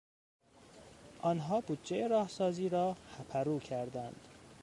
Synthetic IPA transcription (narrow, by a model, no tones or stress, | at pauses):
ʔɒːnɦɒːbud̪̚d͡ʒejeɾɒːhsɒːziːɾɒːxæpʰæɾuːcʰæɾd̪ænd̪̥